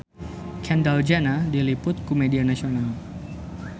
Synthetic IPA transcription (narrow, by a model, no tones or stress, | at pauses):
kʰɛndald͡ʒanadilipʊt̪̚kumedianasional